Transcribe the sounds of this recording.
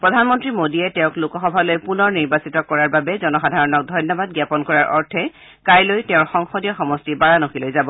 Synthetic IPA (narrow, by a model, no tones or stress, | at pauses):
pɹɔdʱanmɔntɹimodiɛtɛ̃ʊ̃klʊkɔxɔbʱalojpunɔɹniɹbasitɔkɔɹaɹbabɛzɔnɔxadʱaɹɔnɔk̚dʱɔjnjɔbad̚ɡjapɔnkɔɹaɹʔɔɹtʰɛ | kajlojtɛʊ̃ɹxɔŋxɔdijɔxɔmɔstibaɹanoxilojzabɔ